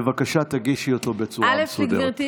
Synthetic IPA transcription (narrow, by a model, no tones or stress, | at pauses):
vakaʃat̪aɡiʃiot̪o̞bet͡sualesuɡdeʁti